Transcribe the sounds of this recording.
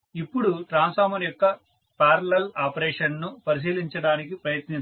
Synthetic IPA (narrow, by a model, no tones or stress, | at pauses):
ipːuɽuʈɾaːnsaːmɐnjɔkːɐ | paːɾɐlɐlaːpɐɾeːʂɐnnupɐɾis̬iːliɲt͡ʃɐɽaːnik̬ipɾɐjɐt̪ni